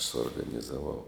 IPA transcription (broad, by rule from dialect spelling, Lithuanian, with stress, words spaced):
suɔrɡɐnʲɪzɐˈʋɐʊ